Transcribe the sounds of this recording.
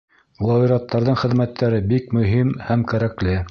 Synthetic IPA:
lˠɑiɾɑt̪ːɑɾðɤɴχɘ̆ðmæt̪ʰːæɾɘbikmɵ̆ɦimhæmkæɾæklɘ

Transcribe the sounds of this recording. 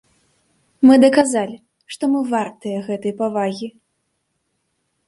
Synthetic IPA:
mɨd̪ɐkazalʲi | ʂt̪ɔmɨvart̪ɐjɐɣɛt̪ɐjpavaɣʲi

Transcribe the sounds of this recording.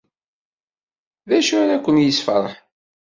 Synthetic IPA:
ðæʃuɾækʷːənjəsfəɾˤə̰ħ

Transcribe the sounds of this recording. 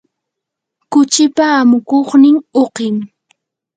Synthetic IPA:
kʊt͡ʃɪpaːmʊkoχnɪŋoqɪŋ

